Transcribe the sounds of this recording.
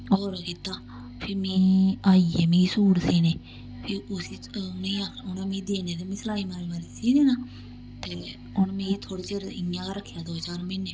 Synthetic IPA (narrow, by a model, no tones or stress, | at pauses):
ɔːɾkɪt̪aː | pʰɪɾmĩːaːiːɛːmĩːsuːɽsiːneː | pʰɪʊsiːnẽːaːʊnãːmĩːd̪eːneːt̪eːmĩːslaːiːmaːɾːmaɾiːsiːneːnaː | t̪eː | ʊnmẽːt̪ʰoːɽiːt͡ʃəɾɪjãːkaɾəkʰːjaːd̪oːt͡ʃaːɾmɪnːeː